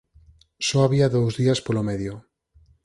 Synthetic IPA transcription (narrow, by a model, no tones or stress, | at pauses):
sɔaβiaðowzðiaspolomeðjo